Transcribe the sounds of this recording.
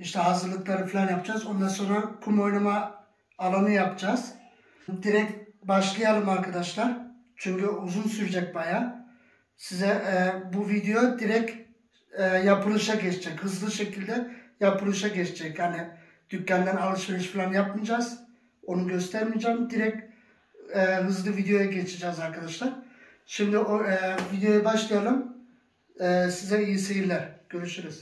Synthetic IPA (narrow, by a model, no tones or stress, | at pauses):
iʃt̪ʰɛɦazɯɾlˠɯklˠaɾɯfilʲanjapd͡ʒazo̞nd̪anso̞nɾakʰumo̞jlˠumaː | lˠanɯjapd͡ʒaz̥ | d̪iɾɛcbaʃlˠɯjalˠɯmaɾkʰad̪aʃlˠaɾ | t͡ʃʰyɲcyuzunsyɾd͡ʒɛc̚baja | sizɛʔbuvid̪ejo̞d̪iɾɛcː | japʰɯlˠɯʃaɟɛt͡ʃʰɛd͡ʒɛchɯzlˠɯʃecʰilʲd̪ɛjapʰɯlˠɯʃaɟet͡ʃʰed͡ʒɛchanɪ | d̪̥ycːænd̪ænalˠɯʃmelˠɯʃfilʲˠanjapmɯd͡ʒaz̥ | o̞nuɟø̞st̪ʰæɾmid͡ʒamd̪iɾɛc̚ | ɛːɦɯzlˠɯvid̪ejo̞jaɟet͡ʃʰid͡ʒɛzaɾkʰad̪aʃlˠaɾ | ʃimd̪ɪʔoɛvid̪ejo̞jabaʃlˠɯjalˠɯm | ɛːsizɛijisejiɾlʲɛɾɟ̥ø̞ɾyʃyɾyz̥